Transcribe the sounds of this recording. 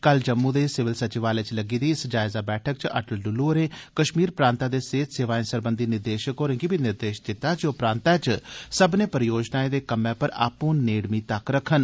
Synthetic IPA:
kəld͡ʒəmːũːd̪eːsɪʋɪlsət͡ʃɪʋaːlet͡ʃləɡiːd̪iːɪsd͡ʒaːɪzaːbɛːʈʰək̚t͡ʃə̰ʈəlɖʊlːuːəɾẽːkəʃmiːɾpɾãːnt̪aːd̪eːseːt̪seːʋaːẽsəɾbənd̪iːnɪɾd̪eːʃəkɦoːɾə̃ŋɡiːbinɪɾd̪eːʃd̪ɪt̪ːaːd͡ʒoːpɾãːnt̪aːt͡ʃsəbnẽːpəɾjoːd͡ʒnaːẽd̪eːkəmẽːpəɾa̰ːpõːneːɽmiːt̪əkɾəkʰːən

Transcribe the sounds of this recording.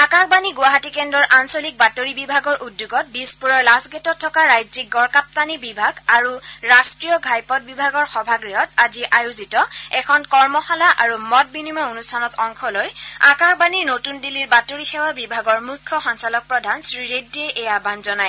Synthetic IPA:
akaxbaniɡʊwaɦatikɛndɔɹʔansolik̚batoɹibibʱaɡɔɹʔudːjuɡɔt̚dispuɹɔɹlasɡɛtɔtʰːɔkaɹajzik̚ɡɔɹkap̚tanibibʱaɡaɹuɹastɹijɔɡʱajpɔt̚bibʱaɡɔɹxɔbʱaɡɹiɦɔtaziʔajuzitɔɛkʰɔnkɔɹmɔxalaʔaɹumɔt̚binimɔonustʰanɔtɔŋkʰɔlojakaxbaninotundiliɹbatoɹixɛwabibʱaɡɔɹmukʰːɔxɔnsalɔk̚pɹɔdʱansɹiɹedieʔɛjabʱanzɔnaj

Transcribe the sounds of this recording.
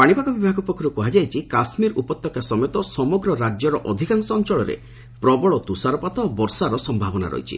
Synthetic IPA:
paɽ̃ibakɔbibʱaɡɔpɔkʰːɔɾukɔɦad͡ʒajt͡ʃʰikasmiɾupɔt̪ːɔkasɔmet̪ɔsɔmɔɡɾɔɾad͡ʒjɔɾɔʔɔd̪ʱikaŋsɔɔnt͡ʃɔɭɔɾḛ | pɾɔbɔɭɔt̪usaɾɔpat̪ɔːbɔɾsaɾɔsɔmbʱabɔna̰ɾɔ̰ɦjt͡ʃʰḭ

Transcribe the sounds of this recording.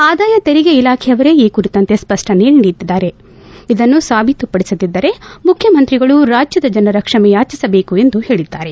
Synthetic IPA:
aːd̪aːjɐt̪eɾiɡeilaːkʰɛjɐʋɐɾe̞iːkuɾit̪ɐnt̪e̞spɐʂʈɐneːɭɳɖid̪id̪aːɾe̞ | id̪ɐnːusaːbʱit̪upɐɽisɐd̪id̪ːɐɾe̞mukʰjɐmɐnt̪ɾiɡɐɭuɾaːd͡ʒjɐd̪ɐd͡ʒɐnɐɾɐkʂɐmɛjaːt͡ʃisɐbe̞ːkue̞nd̪uhe̞ːɭid̪ːaːɾe̞

